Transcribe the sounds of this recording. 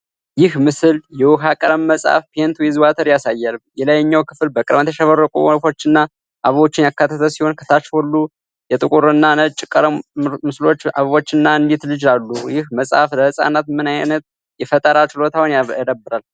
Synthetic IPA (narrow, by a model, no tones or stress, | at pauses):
jɪhmɨsɨljɛwʊɦakʼəɾəmːəsʼa̰fpent̪ʰujɛzwat̪ʰəɾjasajːalmjɛlajɛɲːawkʰɨfɨlbəkʼɨɾmət̪ʰjɛʃəβəɾəkʼṵfo̞t͡ʃːɨnːa | ʔaβəβo̞t͡ʃːɪnjakːat̪ʰːət̪ʰəsiho̞nkʰə̥t̪ʰat͡ʃholːu | jɛt̪ʼɨkʼuɾɨnːanət͡ʃʼːɪkʼəɾmɨslo̞t͡ʃːa̰βəβo̞t͡ʃːɨnːaɨnd̪it̪lɨd͡ʒalːujɪhməsʼa̰fləhsʼa̰nat̪mɨnajnət̪ | jɛfət̪ʼəɾat͡ʃɪlo̞t̪ʰawnad̪əbɨɾal